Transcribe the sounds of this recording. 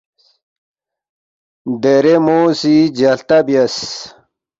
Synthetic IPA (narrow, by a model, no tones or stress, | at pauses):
d̪eɾemoːsid͡ʑɐlt̪ɐbijɐs